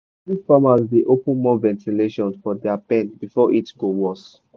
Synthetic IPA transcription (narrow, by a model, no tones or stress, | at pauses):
ifamazdeʔopə̃nmɔ̃vɛ̃ntʰileʃɔ̃nfɔdɛapɛ̃nbifɔʔitɡowɔs